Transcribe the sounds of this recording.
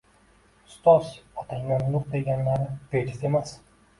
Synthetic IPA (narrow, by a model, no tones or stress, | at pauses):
ʊst̪ɒsɒt̪ʰaŋɒnːʊɾd̪eɡʲanlaɾɪped͡ʒɪzemas